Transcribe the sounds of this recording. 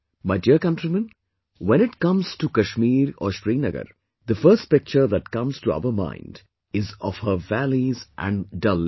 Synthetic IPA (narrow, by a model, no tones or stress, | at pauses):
maɪɖiəɾkʌ̃nʈɾimə̃n | wɛ̃ñɪʈkʌ̃mz̥ʈukɐʃmiːɾɔ̰ʃɾiːnəɡə̰ɾ | d̪əfəɾsʈ̚pɪk̚t͡ʃəɾd̪æʈkʌ̃mz̥ʈuʌ̰ʋəmã̰ɪ̃nɖ | ɪzɔʋhəʋælizʔæ̰̃ɳɖɖʌl